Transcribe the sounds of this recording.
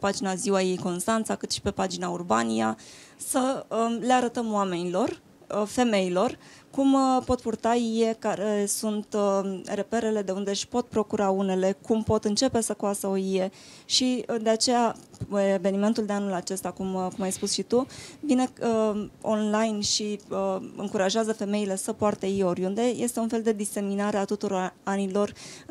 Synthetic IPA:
epad͡ʒinaziwaje̞jko̞nst̪ant̪sakɨt̪ʃi̥pe̞pad͡ʒinaurbanijasəəle̞aɾət̪əmwame̞nilo̞r | fe̞me̞ilo̞r | kumpo̞t̪̚purt̪aije̞kaɾesunt̪re̞pe̞ɾe̞le̞d̪e̞und̪eʃpo̞t̪̚pɾo̞kuɾaune̞le̞kumpo̞t̪ɨnt͡ʃe̞pe̞səkoasəo̞ije̞ | ʃid̪e̞at͡ʃe̞jaeve̞nime̞nt̪uld̪e̞anulat͡ʃe̞st̪akumkumajspusʃit̪uvine̞əo̰nlajnʃi | ɨ̰ŋkuɾaʒeazəfe̞me̞ile̞səpoart̪əijeo̞ɾʲund̪e̞je̞st̪e̞unfe̞ld̪e̞d̪ise̞minaɾeat̪ut̪uɾoanilo̞r

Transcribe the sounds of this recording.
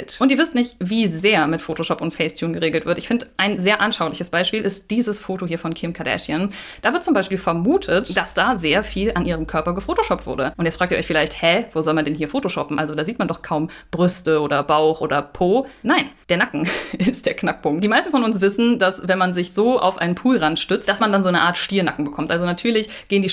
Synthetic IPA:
ɛ̰ltʔʊntiɐvɪstnɪçtviːzeːɐmɪtfoːtoʃɔpʊntfɛɪstʰjuːnɡəʁeːɡl̩tv̥ɪɐtʔɪçfɪndəʔaɪnzeːɐʔanʃaʊlɪçəsb̥aɪʃpiːlʔɪst̚d̥iːzəsfoːtohiːɐfɔnkʰɪmkʰadɛ̰ʃjən | d̥aːvɪɐt̚t͡sʊmbaɪʃpiːlfɛɐmuːtʰətd̥asd̥aːzeːɐfiːlʔanʔiːʁ̞əmkʰœɐpɐɡəfoːtoʃɔp̚tv̥ʊ̰ɐdəʔʊntjɛt͡sfʁaːktiːɔçfɪlaɪçthɛvoːzɔlmandɛnhiːɐfoːtoʃɔpm̩ʔalzodaːziːtmandɔχkʰaʊmb̥ʁʏstəoːdɐbaʊxʔoːdɐpʰoːnaɪnd̥eːɐnakŋ̩ɪstd̥eːɐknak̚pʰʊŋk̚t̚d̥iːmaɪstn̩fɔnʊnsv̥ɪsn̩dasvɛnmanzɪçz̥oːʔa̰ʊfʔa̰ɪnənpʰuːlʁantʃtʏt͡std̥asmandanzoːnəʔaːɐtʃtiːɐnakŋ̩bəkʰɔmtʔalzonatʰyːɐlɪç | ɡ̥eːəndiː

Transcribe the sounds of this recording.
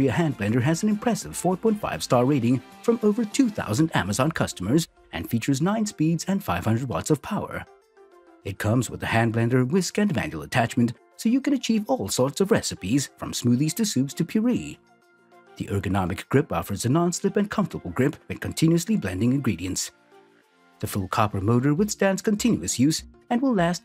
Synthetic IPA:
iɨhæ̃nblɛ̃ndə˞ɨznɨ̃mpʰɹ̥ɛsɨv̥fɔɹ̚pʰɔ̃ɪ̃ntfa̰ɪv̥stɑɹɹeɪɾɪ̃ŋ | fɹʌ̃moʊvə˞tʰʉθa̰ʊzɨ̃ndæ̰mɨzɑ̃nkʰʌstəmə˞z | ʔɨ̰̃nfit͡ʃə˞znãɪ̃nspidzɨ̃nfaɪv̥hʌ̃ndɹəd̚wɑ̰tsʌv̥pʰaʊə̰˞ | ɨt̚kʰʌ̃mzwə̰ðɨhæ̃nblɛ̃ndə˞wɪskɨ̃nmæ̰̃njul̩ˠətʰæt͡ʃmɨ̃n̩t | soʊjɨkɨ̃ñɨt͡ʃʰivɔlˠsɔɹtsʌvɹɛsɨpiz̥fɹʌ̰̃msmʉðiz̥tʰɨsʉpstʰɨpʰj̥ə˞ḭ | ðḭʔɜ˞ɡɨnɑmɨkɡ̥ɹɪpɑ̰fə˞zɨnɑ̃nslɪpɨ̃nkʰʌ̃ɱftə˞bl̩ˠɡɹɪpɨ̃nkʰɨ̃n̩tʰɪ̃njʉɨsliblɛ̰̃ndɪ̃ŋɨ̃nɡɹiɾiɨ̃nts | ðɨfʊlˠkʰɑpə˞moʊɾə˞wɨθstæ̃ndz̥kɨ̃ntʰɪ̃njʉɨsjʉsɨ̃nwəlˠlæst̚

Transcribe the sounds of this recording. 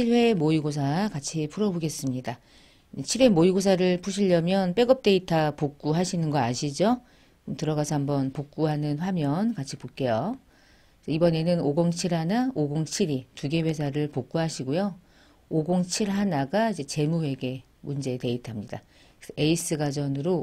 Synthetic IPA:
t͡ɕʰiɭɸwe̞moiɡosʰakat͡ɕʰipʰuɾʌboɡe̞s͈ɯmɲida | et͡ɕʰiɾwe̞moiɡos̬ʰaɾɯɭp͈ʰuɕʰiʎːjʌmjʌnp͈e̞ɡʌp̚t͈e̞itʰapok̚k͈uɦaɕʰinɯnɡʌaɕʰid͡ʑo | tɯɾʌɣasʰʌɦambʌnpok̚k͈uɦanɯnɸwamjʌnkat͡ɕʰi̥pok͈e̞jo | sʰʌibʌne̞nɯnoɡoŋt͡ɕʰiɭɦanaoɡoŋt͡ɕʰiɾituɡe̞we̞sʰaɾɯɭpok͈uɦaɕʰiɡojo | oɡoŋt͡ɕʰiɾɦanaɡaid͡ʑe̞t͡ɕe̞muwe̞ɡe̞ | mund͡ʑe̞te̞itʰamɲida̰ | esʰʌe̞is͈ɯɡad͡ʑʌnɯɾo

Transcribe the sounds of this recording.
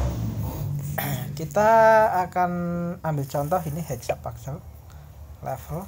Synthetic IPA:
kit̪aːkanambɪlt͡ʃɔnt̪ɔɦinihɛd͡ʒsapːaksəl | lɛ̰fəl

